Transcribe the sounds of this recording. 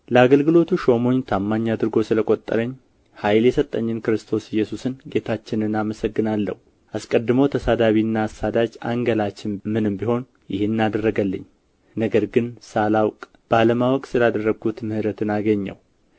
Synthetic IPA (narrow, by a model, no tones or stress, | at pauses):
ləaɡəlɡɨlo̞t̪ʰuʃo̞mo̞ɲːt̪ʰamːaɲːad̪ɨɾɡo̞sɨləkʼo̞t̪ʼːə̰ɾəɲː | hajljɛsət̪ʼːəɲːɪnkɨɾɨst̪ʰo̞sɪjːɛsusɨnɡe̞t̪ʰat͡ʃːɪnɨnaməsəɡːɨnalːə̰hu | ʔaskʼəd̪ːɨməwt̪ʰəsad̪aβiɨnːaːsad̪ad͡ʒa̰ŋɡəlat͡ʃːɪnmɨnɨmbiho̞n | jɪ̰hɪnːad̪ərːəɡəlːə̰ɲː | nəɡəɾɡɨnsalawkʼ | b̥aləmawɔkʼsɨlad̪ərːəɡut̪mɨhɨɾət̪ʰɨnaɡəɲːə̰w